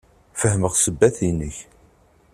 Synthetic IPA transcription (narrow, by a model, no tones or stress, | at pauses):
fəhməʁsəbːæθinːəç